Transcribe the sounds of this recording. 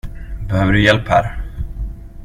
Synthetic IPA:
bɛhøːvəɖɵjɛlphæ̰ːɾ

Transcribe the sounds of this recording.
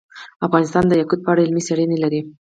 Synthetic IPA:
afɣɑnɪst̪ɑnd̪əjakud̪̚pəaɽaɪlmisaɽinelaɾi

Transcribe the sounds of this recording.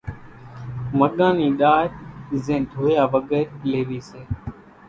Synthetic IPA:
məɠãːniːɗaːjzẽːd̪ʱoːjaːʋəɠeːɾleːʋiːseː

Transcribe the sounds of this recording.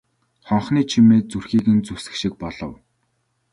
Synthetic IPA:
χɔɴχniːt͡ɕʰimeːt͡surxiːɣɘ̆nt͡susɘ̆kʃĭk̚pɔɮɞ̆w

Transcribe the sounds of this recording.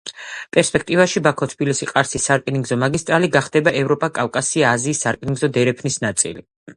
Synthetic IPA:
pʼɛɾspʼɛk̚ʰt̪ʼivaʃibakʰɔt̪ʰbilisiqʼaɾsisːaɾkʼiniŋɡzɔmaɡist̪ʼɾaliɡaχd̪ɛbaʔɛvɾɔpʼakʼavkʼasiaːziːsːaɾkʼniŋɡzɔd̪ɛɾɛpʰnisnat̪sʼḭli

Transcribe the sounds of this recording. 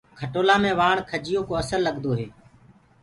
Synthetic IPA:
kʰəʈoːlaːmẽːʋaːɳkʰəd͡ʒɪjoːkoːəsəlːəɠd̪oːɦeː

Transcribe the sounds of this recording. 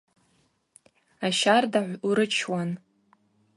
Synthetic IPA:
aʃardaʕʷuɾɨt͡ʃʰwan

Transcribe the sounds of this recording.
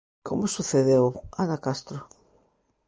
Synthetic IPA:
kʰomʊsuθeðewanakast̪ɾʊ

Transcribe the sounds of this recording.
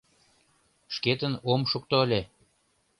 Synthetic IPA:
ʃket̪ənomʃuk̚t̪oəlʲe

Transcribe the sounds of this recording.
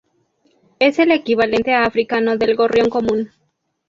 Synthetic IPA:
e̞se̞lekiβale̞nt̪e̞afɾikano̞ðe̞lɣo̞rjo̞ŋko̞mũn

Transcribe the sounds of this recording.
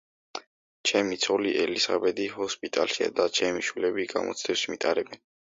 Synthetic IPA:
t͡ʃʰɛmit̪sʰɔliʔɛlisabɛd̪ihɔspʼit̪ʼa̰lʃia̰d̪at͡ʃʰɛmiʃwilɛbiɡa̰mʔɔ̰t̪sʰd̪ɛwsmit̪ʼaɾɛbɛn

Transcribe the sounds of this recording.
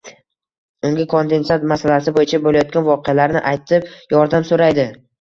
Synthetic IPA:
ʊŋɡʲɪkʰond̪e̞nsat̪masalasɪbojɪt͡ʃʰabolajɒt̪̚kʲanvɒqejalaɾnɪ̰ʔajt̪ʰɪp̚jɒɾd̪amsoɾajd̪ɪ

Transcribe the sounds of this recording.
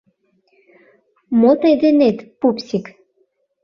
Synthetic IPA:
mot̪ejd̪enet̪pupsʲik

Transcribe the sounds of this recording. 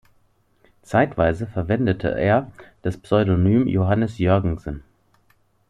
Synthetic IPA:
t͡saɪtv̥aɪzəfɛɐvɛndətʰə̰ʔeːɐd̥aspsɔʏdonyːmjoɦanəsjœɐɡŋ̩sən

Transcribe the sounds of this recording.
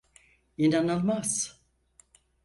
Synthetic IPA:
inanɯlˠmaz̥

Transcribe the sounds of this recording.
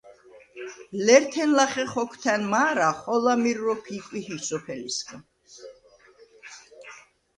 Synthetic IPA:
lɛɾt̪ʰɛnlaχɛχɔkʰt̪ʰɛnmaːɾaχɔlamiɾɾɔkʰikʼwihisɔpʰɛliskʰʼ

